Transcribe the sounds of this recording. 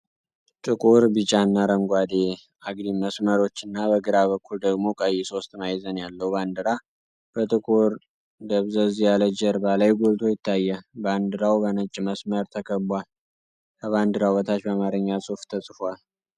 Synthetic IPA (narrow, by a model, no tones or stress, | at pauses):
t͡ʃʼɨkʼuɾbɨt͡ʃʼanːaɾəmɡʷad̪e | aɡd̪iməsməɾo̞t͡ʃːɨnːabəɡɨɾaβəkʰːuld̪əɡmo̞kʼəjːɛso̞st̪majzənjalːəhuband̪ɨɾa | b̥ət̪ʼɨkʼuɾ | d̪əβzəzijaləd͡ʒɛɾbalajɡolt̪ʰo̞jɪt̪ʰːajːɛband̪ɨɾawbənət͡ʃʼməsməɾt̪ʰəkʰəbal | kʰəβand̪ɨɾawət̪ʰat͡ʃbəamaɾɨɲːasʼuft̪ʰəsʼfal